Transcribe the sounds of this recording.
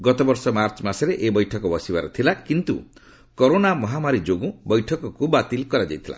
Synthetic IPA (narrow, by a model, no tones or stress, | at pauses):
ɡɔt̪ɔbɔɾsɔmaɾt͡ʃmaseɾeʔebɔjʈʰɔkɔbɔsibaɾɔt̪ʰilakint̪ṵ | kɔɾonamɔɦamaɾid͡ʒoɡũbɔjʈʰɔkɔkubat̪ilkɔɾad͡ʒa̰jt̪ʰila̰